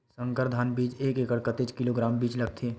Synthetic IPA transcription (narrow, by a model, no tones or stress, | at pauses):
sə̃ŋkəɾd̪ʱaːnbiːd͡ʒeːkeːkəɽkət̪et͡ʃkɪloɡɾaːmbiːt͡ʃlɐɡ̚t̪ʰeː